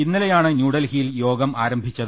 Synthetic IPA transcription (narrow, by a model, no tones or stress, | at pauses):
inːilejaːɳɨnjuːɽɐlhijiljo̞ːɡɐmaːɾɐmbʱit͡ɕːɐð